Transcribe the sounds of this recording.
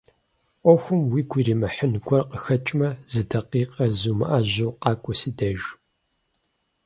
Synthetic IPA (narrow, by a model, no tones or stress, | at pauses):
ʔʷɔxʷʊmwiːɡʷʰiːɾiːmɐħənɡʷɔrqəxɐt͡ʃʼmɐzɨdɐqiːqʼɐzumɐ̰ʔaːʑowqɑːkʷʼɔsiːdɐʒ